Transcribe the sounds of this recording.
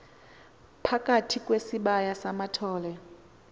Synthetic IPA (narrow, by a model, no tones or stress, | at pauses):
pʰakʼatʰikʼwesiɓajasamatʰɔːlɛ